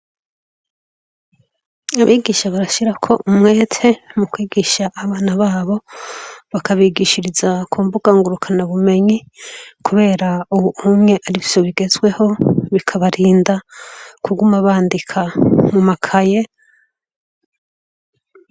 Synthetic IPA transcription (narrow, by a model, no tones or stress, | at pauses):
aβiːɡiʃaβaɾaʃiɾakʰo̞ʔumŋe̞ːtʰe̞mukwiːɡiʃaʔːβaːnaβaːβo̞ | βakaβiːɡiʃiɾizakʰuːmbuɡ̥aŋɡuɾukʰanaβume̞ɲikʰuβe̞ːɾauuhumŋe̞ʔaɾivjo̞βiɡe̞zɡwe̞ho̞βikʰaβaɾiːndakʰuɡumaβaːndikʰamumakʰaje̞